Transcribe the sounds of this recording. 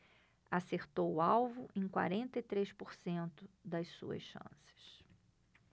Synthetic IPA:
aseɾt̪owʊawvʊʔẽj̃kwa̰ɾẽnt̪ɐit̪ɾespoɾsẽnt̪ʊd̪ɐssṵɐ̰sʃɐ̰̃sɪ̥ʃ

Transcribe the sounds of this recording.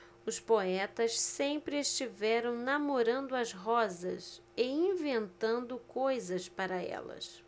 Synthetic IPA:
ʊspoɛt̪ɐssẽmpɾɪeʃt͡ʃivɛɾɐ̃w̃namoɾɐ̃nd̪ʊɐzɦɔzɐ̰s | ɪĩvẽnt̪ɐ̃nd̪ʊkojzɐspaɾɐɛ̰lɐ̰s

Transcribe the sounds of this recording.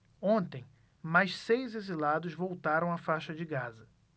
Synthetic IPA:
õnt̪ẽj̃ | majʃsejzezilad̪ʊzvowt̪aɾɐ̃w̃ɐfaʃɐd͡ʒɪɡazɐ

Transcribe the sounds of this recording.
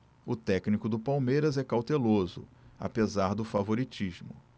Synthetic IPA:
ʊt̪ɛknikʊd̪ʊpawmejɾɐzɛkawt̪elozʊ̰a̰pezaɾd̪ʊfavoɾit͡ʃiʒmʊ̰

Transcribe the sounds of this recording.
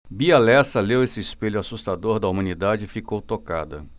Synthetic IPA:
bialɛsɐlewesɪɪspeʎʊasust̪ad̪oɾd̪ɐumɐ̃nid̪ad͡ʒɪifikowt̪oka̰d̪ɐ̰

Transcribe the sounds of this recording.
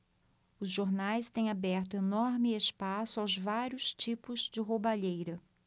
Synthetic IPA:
ʊzʒoɾnajst̪ẽj̃abɛɾt̪ʊenɔɾmɪespasʊawzvaɾjʊst͡ʃipʊzd͡ʒɪɦobaʎejɾɐ

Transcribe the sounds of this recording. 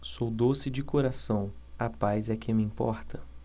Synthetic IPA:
sowd̪osɪd͡ʒɪkoɾasɐ̃w̃apajzɛkẽmiĩmpɔ̰ɾt̪ʰɐ

